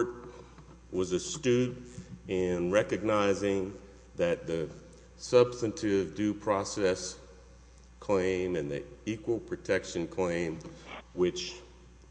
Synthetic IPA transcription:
t̚ | wʌzɨstʉdɪ̃nɹɛkɨɡ̚naɪzɪ̃ŋ | ðɨt̪̚ðɨ | sʌb̥stɨ̃ntʰɪvdʉpʰɹ̥ɑsɛs | kʰl̥ẽɪ̃mɨ̃nðḭikwl̩ˠpʰɹ̥ɨtʰɛkʃɨ̃nkʰl̥ẽɪ̃mwɪt͡ʃ

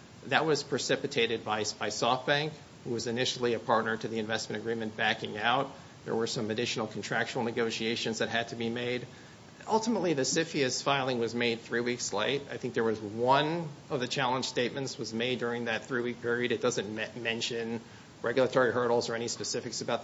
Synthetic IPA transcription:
ðɨt̚wʌz̥pʰɹ̥ɨsɪpɨtʰeɪɾɨd̚baɪb̥aɪsɔfb̥æ̃ŋk | huwʌzɨnɪʃl̩ˠiɨpʰɑɹtⁿnə˞ɾɨðiɨ̃ɱvɛsmɨ̃ɾ̃ɨɡɹĩmɨ̃nb̥ækɪ̃ŋaʊt̪̚ | ðə̰˞wə˞sʌ̃mɨdɪʃn̩l̩ˠkʰn̩tʰɹ̥ækʃn̩l̩ˠnɨɡoʊʃieɪʃɨ̃nzðɨt̚ɦɨd̚tʰɨbimeɪɾ | ʔʌlˠtəmətˡliðɨsɪfiɨsfaɪlˠɪ̃ŋwʌzmeɪd̪̚θɹiwiksleɪɾaɪθɪ̃ŋk̚ðə˞wʌzwʌ̃nʌvðɨt͡ʃʰælˠə̃nʒ̥steɪt̚mɨ̃ntswʌzmeɪdʊɹɪ̃ŋðɨt̪̚θɹiwik̚pʰɪɹiɨɾɨt̚d̥ʌzɨ̃nmɛ̃nʃɨ̃n | ɹʔɛɡjl̩ˠətʰɔɹiɦɜ˞ɾl̩ˠzə˞ɛñispɨsɪfɨksəbaʊt̪̚

